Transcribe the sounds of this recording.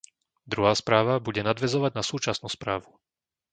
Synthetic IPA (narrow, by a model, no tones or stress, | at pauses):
d̪ɾuɦaːspɾaːʋabuɟɛnad̪ʋɛzɔʋaɟnasuːt͡ʃasnuːspɾaːʋu